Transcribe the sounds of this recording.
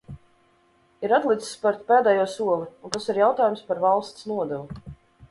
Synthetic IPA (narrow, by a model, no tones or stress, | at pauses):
iɾat̪lˠit̪spaɾt̪pɛːd̪ɛjuɔsuɔlˠiunt̪asiɾjawt̪aːjumspaɾvalˠst̪snuɔd̪ɛvu